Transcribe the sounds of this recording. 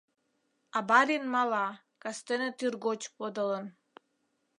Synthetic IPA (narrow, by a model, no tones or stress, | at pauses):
ɑbɑɾinmɑlɑ | kɑst̪enet̪irɡot͡ɕpod̪ələn